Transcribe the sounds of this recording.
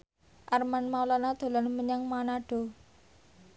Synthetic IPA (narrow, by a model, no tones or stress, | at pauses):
ʔarmanmawlanad̪̥o̤lanməɲaŋmanaɖ̥o̤